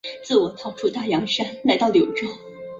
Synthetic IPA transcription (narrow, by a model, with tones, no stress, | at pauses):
t͡sɹ̩˥˩wɔ˨˩t̪ʰɑ˥˩ʊʈ͡ʂʰu˥˧t̪a˥˩jɑ˧˥ŋʂa˥nla˧˥ɪt̪ɑ˥˩ʊljo˨˩ʊʈ͡ʂɤ˥˩ŋ